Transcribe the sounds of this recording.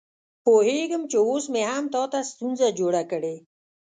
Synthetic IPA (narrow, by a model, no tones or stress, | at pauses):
poːɦeːɡəmt͡ʃeoːsmeɦaːmt̪ɔːt̪ast̪unzad͡ʑoːɽakəɽe